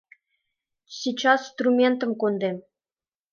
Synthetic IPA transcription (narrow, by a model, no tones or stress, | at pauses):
sʲit͡ɕɑsst̪rumʲent̪ə̆mkond̪em